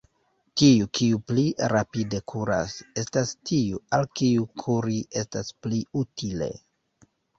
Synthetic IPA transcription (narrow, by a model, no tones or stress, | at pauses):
kiukʰiupliɾapide̞kʰuɾa̰se̞stastiualkiukʰuɾiʔe̞staspliutʰile̞̰